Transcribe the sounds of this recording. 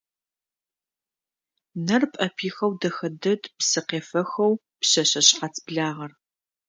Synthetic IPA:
nɐrpʼɐpʰiːxɐwdɐxɐdɐdpsɨqeːfɐxɐw | pɕɐɕɐɕʼqɑt͡sʰbɮaːʁɐr

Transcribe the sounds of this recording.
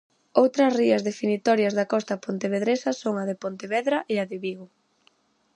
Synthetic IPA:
owt̪ɾɐsriɐzðefinit̪ɔɾjɐzðɐkɔst̪ɐpont̪eβeðɾesɐsoŋɐðepont̪eβɛðɾɐʔeɐðɪβiɣʊ

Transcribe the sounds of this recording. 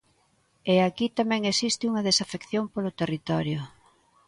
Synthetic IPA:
eakit̪amɛ̃ŋesist̪ɪuŋɐðesafekθjoŋpolot̪erit̪ɔɾjʊ

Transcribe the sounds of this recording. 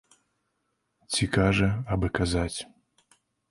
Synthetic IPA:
t͡sʲikaʐɐabɨkazat͡sʲ

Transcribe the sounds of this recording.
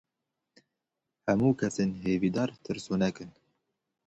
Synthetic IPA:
hɛmuːkʰɛseːnɦeːviːd̪ɑːɾt̪ʰɨɾsoːnɛkɨn

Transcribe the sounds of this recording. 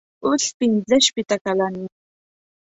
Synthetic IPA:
ʊɬpɪnzeʃpɪt̪akalani

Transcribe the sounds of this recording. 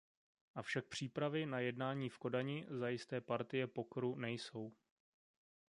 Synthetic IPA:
ʔafʃak̚pr̝̥iːpɾavɪnajɛdnaːɲiːfko̞daɲɪzajɪst̪ɛːpaɾt̪ɪjɛpokoɾunɛjso̞w

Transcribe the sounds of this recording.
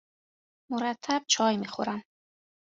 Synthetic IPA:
mʊɾat̪ʰːab̥̚t͡ʃʰɒjmixoɾan

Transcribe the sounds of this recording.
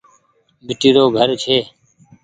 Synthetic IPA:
bʱɪʈiːɾoːɡʱəɾt͡ʃʰeː

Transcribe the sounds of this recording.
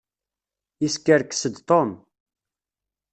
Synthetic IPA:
iskːəɾksəd̪t̪ˤom

